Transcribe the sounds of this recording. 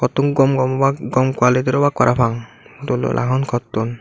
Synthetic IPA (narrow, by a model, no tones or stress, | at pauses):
kʰɔt̪ːuŋɡɔmɡɔmɔbaɡɔmkwalitiɾɔbakaɾʔapʰaŋ | tulɔ̰lʔa̰ɦɔnkʰɔt̪ːun